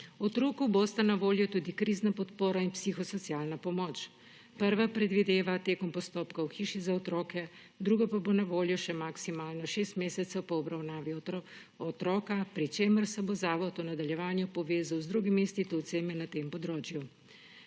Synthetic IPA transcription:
ɔt̪ɾoːkubost̪anaʋoːljut̪uːd̪ikɾiznapɔt̪poːɾainpsixɔsɔt̪sjalnapɔmɔt͡ʃ | pəɾʋapɾɛd̪ʋid̪eːʋat̪eːkɔmpɔst̪oːpkawxiːʃizaɔt̪ɾɔːkɛ | d̪ɾuɡapabonaʋoːljɔʃɛmaksimaːlnɔʃeːst̪meːsɛt̪sɛwpɔɔbɾawnaːʋiɔɔ | ɔt̪ɾɔːkapɾit͡ʃeːməɾsɛbozaːʋɔt̪ɔnad̪aljɛʋaːnjupɔʋeːzawzd̪ɾuːɡimist̪it̪ɔwt̪seːmɛnat̪eːmpɔd̪ɾoːt͡ʃju

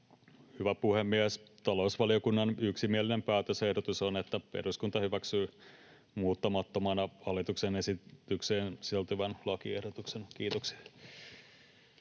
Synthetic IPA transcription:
hyʋæpuhemːiæst̪ɑlo̞usʋɑliokunːɑnyksimiælinempæːt̪øsehdot̪usonet̪ːæpe̞̰ruskunt̪ɑhyʋæksyː | muːt̪ːɑmɑt̪ːomɑnɑhɑlːˑit̪uksenesit̪ykseːnsiælt̪yʋænlɑkiehdot̪uksenkiːt̪oksi̥

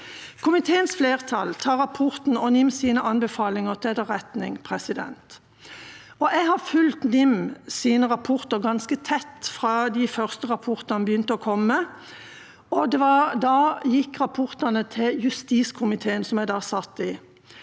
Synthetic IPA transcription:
kʰʊmɪt̪ʰeːənsfleːʁt̪ʰɑlt̪ʰɑːʁɑpʰʊʁt̪n̩ɔnɪmːsiːnəʔɑnbəfɑːlɪŋəʁt̪ʰɛd̪ɑʁɛt̪nɪ̰ŋpʰʁɛsɪd̪ɛ̰nt̪ | ɔʔɛɡhɑʁfʉlt̪nɪmsiːnəʁɑpʰʊʁt̪əʁɡɑnskət̪ʰɛt̪ːfʁɑːd̪ɪfœʁst̪əʁɑpʰɔʁt̪ɑnbəjʏnt̪əɔkʰɔmːə | ɔd̪ɛʋɑd̪ɑːjɪkːʁɑpʰɔʁt̪ɑnət̪ʰɪljʉst̪iːskʰʊmɪt̪ʰeːənsɔmæɪd̪ɑːsɑt̪ːɪ

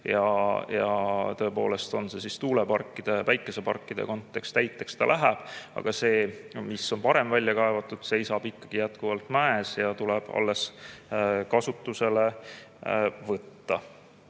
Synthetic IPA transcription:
jɑjɑ̰t̪ø̞po̞̰ːle̞st̪o̞nse̞sist̪uːlepɑrkːˑid̪̥e̞væjkːˑe̞se̞pɑ̰rkːˑid̪̥e̞̰ko̞nt̪ːˑe̞kst̪æjt̪ːˑe̞kst̪ɑlʔæɦæb̥ɑ̰ɡ̥ɑse̞ːmisːo̞npɑɾe̞mvælʲːjɑkɑevɑt̪ːˑud̪̥se̞jsɑb̥ikˑːɑɡ̥ijæt̪kuvɑlt̪ˑmæesjɑt̪uleb̥ɑ̰lːe̞s | kɑsut̪ːuse̞le̞ | vɤt̪ːɑ

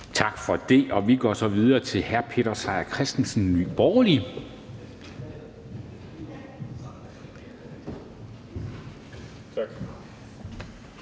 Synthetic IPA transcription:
t͡sʰɑ̈ɡ̥fɒ̽d̥e̝ʔɒ̽ʋiɡ̥ɒ̰sɒ̽ʋið̞ˠɐːt͡sʰe̝lɦæɐpʰe̝̰ɾ̥ɐsɑ̈ɪɐkʰʁɛsd̥n̩sn̩ny̰ːb̥ɒːli

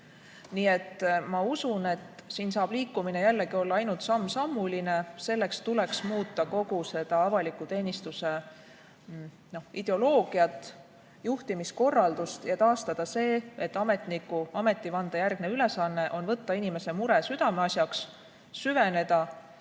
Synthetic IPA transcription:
niːe̞t̪ːmɑusune̞t̪siːnsɑːb̥liːkːˑumine̞jælːe̞ɡio̞lːɑɑjnult̪sɑmːsɑmːuline̞se̞lːe̞kst̪ule̞ksmuːt̪ːˑɑko̞ɡ̥use̞d̪̥ɑɑvɑlikːˑut̪e̞ːnist̪use̞ | no̞hid̪̥e̞o̞lo̞ːɡ̥iɑt̪ːˑ | juht̪imisko̞rːɑld̪̥ust̪jɑt̪ɑːst̪ɑd̪̥ɑse̞ːet̪ːˑɑme̞t̪nikːuɑme̞t̪ːˑivɑnd̪̥ɑjærɡ̥ne̞ylesɑnːe̞ʔo̞nvɤt̪ːɑinime̞se̞muɾesyd̪̥ɑmeɑsʲjɑksː | yve̞ne̞d̪̥ɑ

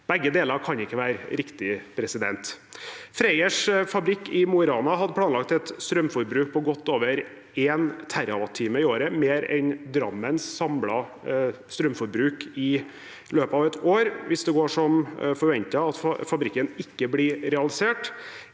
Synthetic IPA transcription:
b̥ɛɡːəd̪eːləɾkʰɑnɪkːəʋæːɾɾɪkt̪ɪpʰɾɛsɪd̪ɛnt̪ | fɾæɪəʂfɑbɾɪkːɪmʊɾɑːnɑɦɑd̪əpʰlɑːnlɑk̚t̪ɛt̪st̪ɾœmfɔɾbɾʉːk̚pʰɔɡɔt̪ːoːʋəɾ | eːnt̪ʰæɾɑʋɑt̪ʰiːməɪoːɾəmeːɾɛ̰nd̪ɾɑmːənsːɑmlɑ | st̪ɾœmfɔɾbɾʉːkɪ | løːpɑːʋɛt̪oːɾʋɪsd̪ɛɡoːʂɔmfɔɾʋɛnt̪ɑɑt̪fɑbɾɪkːənɪkːəblɪɾɛɑlɪseːʈ

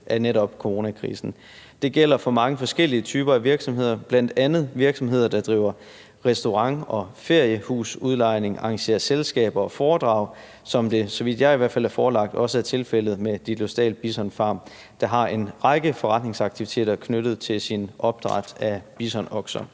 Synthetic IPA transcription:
ʔæneɾɒ̽b̥̚kʰo̝ʁo̝ːnækʰʁḭːsn̩ | d̥e̝ɡ̥el̰ɐfɒ̽mɑ̈ŋəfɒ̽sɡ̥el̰iət͡sʰyːb̥ɐæʋiɐɡ̥sɒ̽mɦe̝ð̞̰ˠɐb̥læn̰d̥ænð̞̩ˠʋiɐɡ̥sɒ̽mɦe̝ð̰ˠɐd̥ɑ̈d̥ʁḭːʊ̰ɐ | ʁɛsd̥o̝ʁɑ̈ŋɒ̽fe̝ɐ̰jəhṵːsuðˠlɑ̈ɪ̰ne̝ŋʔɑ̈ŋɕe̝̰ːɐselsɡ̥ɛ̰ːb̥ɐɒ̽fɒːd̥ʁɑ̰̈ʊ̰ | sɒ̽md̥e̝sɒ̽ʋid̥jɑ̈ɪiʋæɐfælæɑfɒːlɑ̈ɡ̥̚d̥ɒ̽səæɐt͡sʰe̝lfel̰ð̩ˠmed̥ilo̝sd̥ɛ̰ːlb̥isɒ̽nfɑ̈ːm | d̥ɑ̈ɦɑ̈e̝nʁɑ̈ɪɡ̥əfɒʁɑ̈d̥ne̝ŋsɑ̈ɡ̥̚t͡sʰiʋit͡sʰe̝̰ːd̥ɐkʰnøɾ̥ð̞̩ˠt͡sʰe̝lsinɒ̽b̥̚d̥ʁɑ̈d̥æb̥isɒnɒɡ̥sɒ

